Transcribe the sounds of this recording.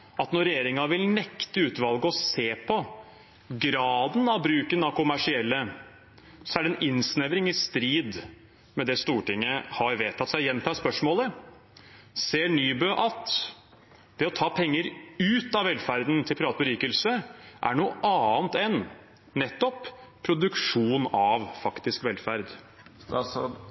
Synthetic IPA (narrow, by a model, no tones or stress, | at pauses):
ʔɑt̪nɔɾɛjeːɾɪŋɑʋɪlnɛkt̪əʉːt̪ʋɑlɡəɔseːpʰɔ | ɡɾɑːd̪nɑʋbɾʉːkənɑʋkʰʊmæʂɪɛlːə | sɔæɖɛnɪnsnɛʋɾɪŋɪst̪ɾiːd̪ | mɛd̪ɛst̪uːʈɪŋːəhɑɾʋeːt̪ʰɑt̪sæɪjɛnt̪ʰɑspœʂmoːlə | seːɳyːbøːʔɑt̪ | d̪̥ɛɔt̪ʰɑːpʰɛŋːəɾʉːt̪ɑʋɛlːfæɾd̪n̩t̪ʰɪlpʰɾɑːt̪̚bəɾiːkəlsəʔæ̰ɳuːʔɑːnt̪ɛn | nɛt̪ːɔppʰːɾʊd̪ʉkʂuːnɑʋfɑkt̪ɪskʋɛlfæɾd̪